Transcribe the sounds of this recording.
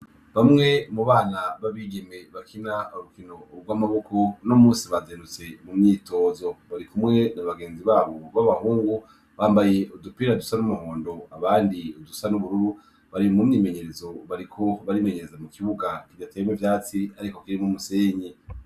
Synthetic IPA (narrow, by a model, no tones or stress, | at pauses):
βamŋe̞muβaːnaβaβiːɡeme̞βakʰinauɾukino̞bɡwamaβo̞ko̞no̞muːsiβazeːndut͡se̞mumɲiːto̞ːzo̞βaɾikumŋe̞naβaɡe̞ːnziβaːβoβaβahuːŋɡu | βaːmbaje̞ʔudupiɾadusanumuhoːndo̞aβaːndiudusanuβuɾuɾu | βaɾimumɲiːme̞ɲe̞ɾe̞zo̞βaɾikʰo̞βaɾime̞ɲe̞ɾe̞zamukiβuɡakivdatemwevjaːt͡siaɾikokiɾimumuse̞ːɲe